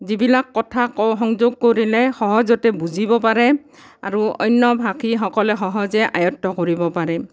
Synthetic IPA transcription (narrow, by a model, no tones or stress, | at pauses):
zibilakːɔtʰakɔɦɔŋzoɡ̚koɹilɛxɔɦɔzɔtɛbuzibɔpaɹɛ | aɹuɔ̰jnːɔbʱakʰixɔkɔlɛxɔɦɔzɛʔa̰jɔtːɔkoɹibɔpaɹɛ